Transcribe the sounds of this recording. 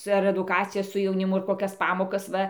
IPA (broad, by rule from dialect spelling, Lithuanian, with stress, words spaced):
ɐr ɛdʊˈkɑːt͡sʲɪjɛs sʊ jɛʊnʲɪˈmʊ ɐr koːˈkʲɛs ˈpɑːmoːkɐs ˈʋɐ